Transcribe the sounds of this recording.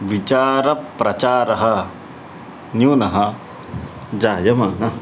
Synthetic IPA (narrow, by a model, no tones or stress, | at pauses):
ʋit͡ʃaːɾɐpːɾɐt͡ʃaːɾɐɦɐ | njuːnɐɦɐ | d͡ʒaːjɐmaːnɐ